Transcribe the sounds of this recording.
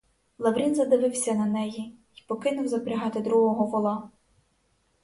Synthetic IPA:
lˠɐʋɾʲinzɐd̪ɪʋɪwsʲɐnɐnɛji | ipɔkɪnʊwzɐpeɾʲɐɦɑt̪ɪd̪ɾuɦɔɦɔʋɔlˠɑ

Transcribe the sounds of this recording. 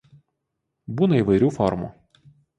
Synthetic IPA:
bunɐiʋɐjɾʲufɔɾmṵ

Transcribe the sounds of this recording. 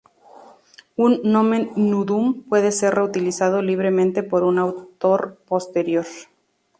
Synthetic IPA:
unːõme̞nuðumpwe̞ðe̞se̞re̞ut̪ilisað̞o̞liβ̞ɾe̞mẽnt̪e̞po̞ɾunawt̪o̞ɾpo̞st̪e̞ɾjo̞ɾ

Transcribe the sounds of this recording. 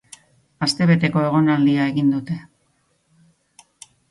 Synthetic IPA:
ast̪e̞β̞e̞t̪e̞ko̞e̞ɣ̞o̞nald̪iae̞ɣind̪ut̪e̞

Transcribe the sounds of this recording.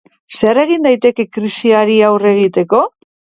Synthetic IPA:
se̞are̞ɣ̞ind̪ajt̪e̞ke̞kɾisiaɾiawre̞ɣ̞it̪e̞ko̞

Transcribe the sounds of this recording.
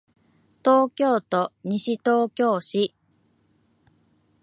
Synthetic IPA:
t̪oːkʲo̞ːt̪oɲ̟iɕit̪o̞ːkʲo̞ːɕi

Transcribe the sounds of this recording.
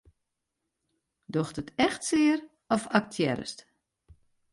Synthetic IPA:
doxtətɛxtsɪəɾ | ɔfak̚tʰjɛ̰ɾə̰st

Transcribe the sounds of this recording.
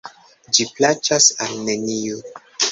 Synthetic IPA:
d͡ʒiplat͡ʃasalnenijo

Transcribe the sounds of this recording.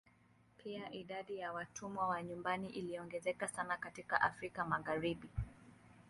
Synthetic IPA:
pʰiaʔiɗaɗijawatʰumwawaɲumbaniʔiliɔŋɡɛzɛkasanakatika̰ʔafɾikamaɣaɾiɓi

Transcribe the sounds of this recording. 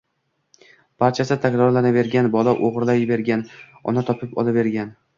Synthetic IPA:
b̥aɾt͡ʃʰasɪt̪ʰakʲɾɒɾlanabe̞ɾɡʲanbɒlaʔoʁɾlajbe̞ɾɡʲan | ɒ̰nat̪ʰɒpʰɪpɒ̰lˠabe̞ɾɡʲan

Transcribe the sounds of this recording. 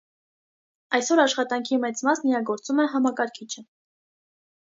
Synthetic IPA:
ɑjsɔɾɑʃχɑt̪ɑŋkʰimɛt͡smɑsnijɑɡɔɾt͡sumɛɦɑmɑkɑɾkʰit͡ʃʰə

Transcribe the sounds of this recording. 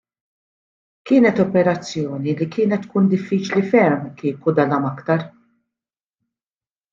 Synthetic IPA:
kɪːnɛt̪ɔpɛɾɐt͡sːjɔːnilikɪːnɛt̪ːkuːnd̪ɪfːiːt͡ʃlifɛɾmkɪːkud̪ɐlɐmɐkt̪ɐɾ

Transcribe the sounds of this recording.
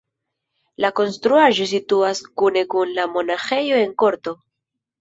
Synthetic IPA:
lako̞nst̪ɾuaʒo̞s̬ituaskune̞kunlamo̞naxe̞jo̞e̞ŋko̞ɾto̞

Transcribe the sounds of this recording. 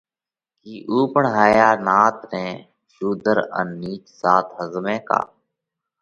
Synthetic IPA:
kiːʔuːpəɳɦaːjaːnaːt̪nɛ̃ː | ʃuːd̪əɾə̰nːiːt͡ʃsaːt̪ɦəzmẽːka̰ː

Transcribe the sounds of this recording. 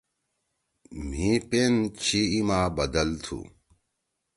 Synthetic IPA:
m̤ĩpent͡ɕʰiimaːbɐd̪ɐlt̪ʰṵ

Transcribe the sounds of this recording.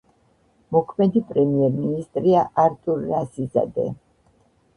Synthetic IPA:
mɔkʰmɛd̪ipʼɾɛmiɛɾminist̪ʼɾiaʔaɾt̪ʼuɾːasiza̰d̪ɛ̰

